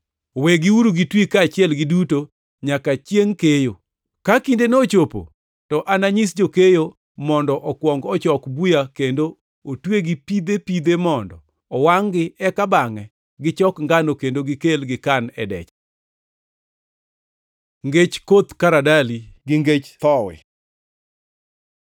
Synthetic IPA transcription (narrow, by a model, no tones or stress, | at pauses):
weɡɪwuɾuɡitwikaːt͡ʃɪɛlɡɪduto | ɲakat͡ʃjeŋkejo | kakindenot͡ʃopo̰ | tɔʔanaɲis̬d͡ʒokejo | mɔndɔʔɔkwɔŋɡɔt͡ʃɔkbujakendo | otweɡɪpid̪epid̪emɔndɔ | ɔwaŋɡɪɛkabaŋɛ | ɡɪt͡ʃɔkŋɡanokendoɡɪkelɡɪkanɛdɛ̰t͡ʃ | ŋɡet͡ʃkot̪kaɾadaliɡɪŋɡet͡ʃt̪ɔwɪ̰